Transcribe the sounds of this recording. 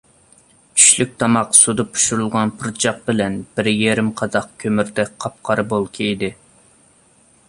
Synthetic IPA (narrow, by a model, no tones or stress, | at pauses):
y̥ʃlyk̚ʲt̪ʰɑmɑqsud̪ɑpʰu̥ʃuɾulˠʁɑnpʰuɾt͡ʃʰɑq̚bɪlɛnb̥ɪɾjeɾɪmqʰɑzɑqkʲʰømyɾd̪ɛkʲqʰɑp̚qʰɑɾbolˠkʲʰejd̪ɪ